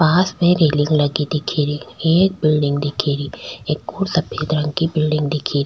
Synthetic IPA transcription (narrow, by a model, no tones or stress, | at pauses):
paːspẽɾeːlɪ̃ŋɡlɐɡid̪ɪkʰiːɾieːk̚bɪlɖɪ̃ŋɡd̪ɪkʰiːɾieːkːoːɾsɐpʰeːd̪ɾɐ̃ŋɡkibɪlɖɪ̃ŋɡd̪ɪkʰiːɾi